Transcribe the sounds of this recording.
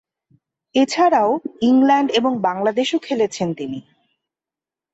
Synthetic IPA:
et͡ɕʰaɾaoiŋlɛɳɖeboŋbaŋlad̪eʃokʰelet͡ɕʰent̪ini

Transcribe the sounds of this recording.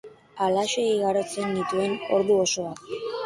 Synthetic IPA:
alaʃeiɣaɾot͡senːit̪ue̞no̞̰ɾðuo̞so̞βat̪

